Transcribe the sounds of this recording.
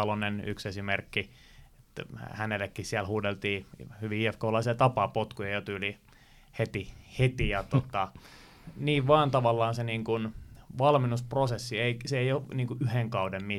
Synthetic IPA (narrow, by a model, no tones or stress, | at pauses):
ɑloneny̰ksesimerkːi | et̪hænelːekːihsiælhuːdelt̪iːhyʋiiefkoːlɑiset̪ɑpɑːpot̪kujɑjot̪yːli | het̪ihet̪ijɑt̪ot̪ɑ | niːʋʋɑːnt̪ɑʋɑlːɑːnseniːŋkunʋɑlminːusprosesːieiseeijoniːŋkuʔyheŋkɑudemmi